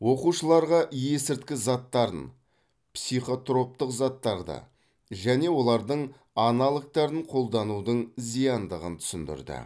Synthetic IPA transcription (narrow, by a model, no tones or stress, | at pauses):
wo̞quʃəlˠɑɾʁɑʔije̞sɪɾt̪kʲɪzɑt̪ːɑɾə̰n | psijχo̞t̪ro̞p̚t̪əqzɑt̪ːɑɾd̪ə̰ | ʒæne̞wo̞lˠɑɾd̪əɴ | ɑnɑlˠək̚t̪ɑɾəɴqʰo̞lˠd̪ɑnud̪əɴzijɑnd̪əʁə̰nt̪ʰʏ̥sɪnd̪ɪ̰ɾd̪ɪ̰